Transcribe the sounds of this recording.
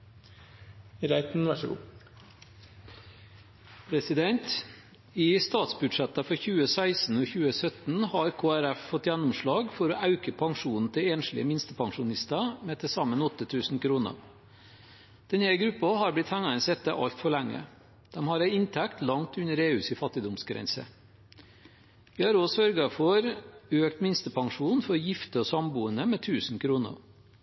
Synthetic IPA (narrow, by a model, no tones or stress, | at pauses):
ɾæɪt̪n̩ʋæʂɡṵː | pʰɾɛsɪd̪ɛnt̪ | iːst̪ɑːt̪sbʉdʂɛt̪əfɔɾçʉːəsæɪsn̩oːçʉːəsœt̪n̩hɑːɾkʰoːæɾæffɔt̪ːjænʊmʂɭɑːɡfɔɾoːʔɑʉkəpʰɑŋʂuːnn̩t̪ʰɪeːnʂlɪ̰əmɪnst̪əpʰɑŋʂʊnɪst̪ɑmeːt̪ʰɪsɑmənɔt̪ːət̪ʰʉːsn̩kʰɾuːnə̰ | d̪̥ɛnhæɾɡɾʉpːɑɦɑɾblɪt̪hæŋːəənsɛt̪ːəʔɑ̰lt̪fɔɭæŋːə̰ | d̪̥ɛmhɑɾæɪɪnt̪ʰækt̪lɑŋt̪ʉnəɾeːʉsɪfɑt̪ːɪd̪ʊmsɡɾɛ̰nsə̰ | ʋɪhɑɾosœɾɡɑfɔɾøːk̚t̪mɪnst̪əpʰɑŋʂuːnfɔɾjɪft̪əɔsɑmbuːənəmeːt̪ʰʉːsn̩kʰɾuːnə̰